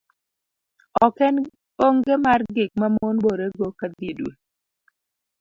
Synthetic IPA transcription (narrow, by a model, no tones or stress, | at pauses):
ɔkɛn | oŋɡemarɡɪk̚mamonboɾeɡokad̪idwḛ